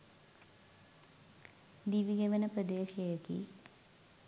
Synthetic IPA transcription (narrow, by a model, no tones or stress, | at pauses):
d̪iʋiɡeʋɐnɐprəd̪eːʃɐjɐkḭ